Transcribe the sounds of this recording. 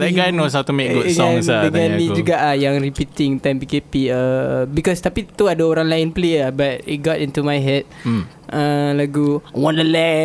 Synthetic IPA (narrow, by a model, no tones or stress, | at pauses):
laɡajnos̬awt̪umeɡuŋasadəɡãnmĩd͡ʒuɡaʔahjaŋɾipit̪ɪŋt̪ãmpikepiəbikɔst̪apit̪uadaoɾãŋlaɪnpleəbat̚it̚ɡɔtĩnt̪umajɦɛt̚ | ʔəlaɡuwɔ̃nəlɛ